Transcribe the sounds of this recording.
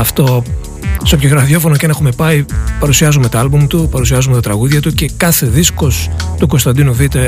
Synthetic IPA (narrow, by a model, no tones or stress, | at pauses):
ɐft̪o̞ | seopçoɣɾɐðjo̞fo̞nocenexume̞pɐipɐɾusiɐzume̞t̪oɐlbumt̪upɐɾusiɐzume̞t̪ɐt̪ɾɐɣuðʝɐt̪uce̞kɐθe̞ðisko̞st̪uɡo̞st̪ɐnd̪inuθit̪e̞